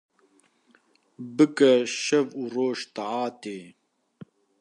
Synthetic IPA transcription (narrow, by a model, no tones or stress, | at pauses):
bɨkɛʃɐvuroːʃt̪aʕaːt̪eː